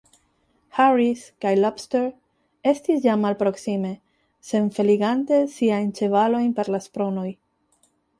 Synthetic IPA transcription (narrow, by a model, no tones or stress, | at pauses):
haɾiskajlapsteɾ | e̞stisjamːalpɾo̞ksime̞ | se̞nfe̞liɡante̞siajnt͡ʃe̞valo̞jnpe̞ɾlaspɾo̞no̞j